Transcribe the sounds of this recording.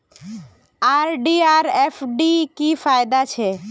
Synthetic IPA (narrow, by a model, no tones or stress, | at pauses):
aɾɖiaɾefɖikifajd̪at͡ɕʰe